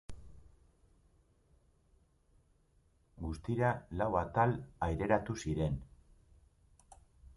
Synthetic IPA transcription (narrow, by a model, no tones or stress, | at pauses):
ɡust̪iɾalawat̪alajɾe̞ɾat̪usiɾe̞n